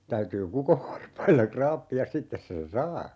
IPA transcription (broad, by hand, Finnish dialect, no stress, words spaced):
tæytyː kukoʋːɑrpɑilːɑ krɑːpːiɑs sitːes sen sɑː